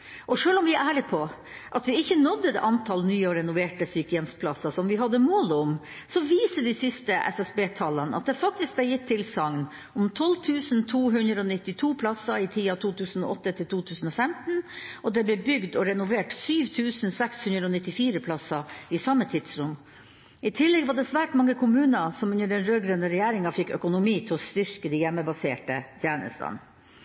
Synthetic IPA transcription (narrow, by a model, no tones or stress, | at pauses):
ʔɔʂøːlɔmʋɪæʔæːɭɪpʰɔ | ʔɑt̪ʋɪɪçːənɔd̪ːəd̪ɛ̰ʔɑnt̪ʰɑlnyːəɔɾɛnʊʋeːʈəsyːkəjɛmspʰlɑsɑsɔmʋɪɦɑd̪ːəmoːlʊm | sɔʋiːsəd̪ɪsɪst̪əʔɛ̰sɛsbeːt̪ʰɑlənəʔɑ̰t̪̚d̪ɛfɑk̚t̪ɪsk̚blɛjɪt̪ʰːɪlsɑŋn | ʊmt̪ʰɔlt̪ʰʉːsnt̪ʰuːɦʉnd̪ɾəɔnɪt̪ːɪt̪ʰuːpʰlɑsɑɪt̪ʰiːɑt̪ʰuːt̪ʰʉːsnɔʔɔt̪ːət̪ʰɪlt̪ʰuːt̪ʰʉːsn̩ɔfɛmt̪n̩ɔd̪ɛblɛbʏɡd̪ɔɾɛnʊʋeːʈsyːʋt̪ʰʉːsn̩sɛkshʉnd̪ɾəɔnɪt̪ːɪfiːɾəpʰlɑsɑɪsɑmːət̪ʰɪd̪̥sɾʊm | ɪt̪ʰɪlːɛɡʋɑɖɛsʋæːʈmɑŋːəkʰʊmʉːnəsɔmʉnːəɖɛnɾøːɡɾœnəɾɛjæːɾɪŋɑfɪkːœkʊnʊmiːt̪ʰɛɔst̪ʏɾkəd̪ijɛmːəbɑseːʈət̪ʰjæːnə̰st̪ɑ̰n